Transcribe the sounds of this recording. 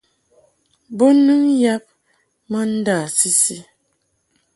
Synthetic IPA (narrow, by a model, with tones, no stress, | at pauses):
bo˦nɨ˦ŋja˦p̚ | mə˦n̩˦da˦˨si˦si˦